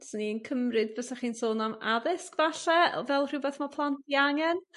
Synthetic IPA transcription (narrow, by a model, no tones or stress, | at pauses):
sniənkʰəmrɨd̚bəsɛχiːnsoːnamaðɪskvaɬɛɔvɛlˠr̥ʊbɛθmapʰlˠantʰiaŋɛn